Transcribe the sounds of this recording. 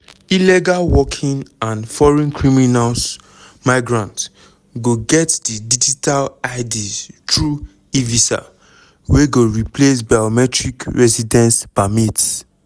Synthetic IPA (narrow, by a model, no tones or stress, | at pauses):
ilɛɡalwɔkʰĩŋãnfɔɹɛ̃nkʰɹiminals | maɪɡɹãnt | ɡoɡɛtdidid͡ʒitʰalaɪdiztɹu | ivisa̰ | weɡoɹiples̬bajɔmɛtɹikɹɛsidɛ̃nsbamits